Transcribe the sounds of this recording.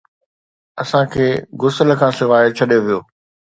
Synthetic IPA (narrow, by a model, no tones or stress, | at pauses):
ɐsãkʰeːɡʊsələ̆kʰãːsɪʋaːɪt͡ɕʰɐɗijoʋijoː